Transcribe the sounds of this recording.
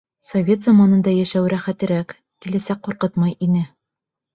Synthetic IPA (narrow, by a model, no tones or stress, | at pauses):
sovʲe̞t̪zɑmɑnɤ̆nd̪ɑjæʃæwɾæχæt̪ɘ̆ɾæk | kilæsæk̚qːuɾqɤt̪mɑjʔinɘ